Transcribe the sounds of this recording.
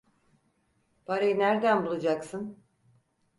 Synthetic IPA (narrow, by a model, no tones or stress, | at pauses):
b̥aɾajɯnæɾd̪ænbulˠad͡ʒaksɯn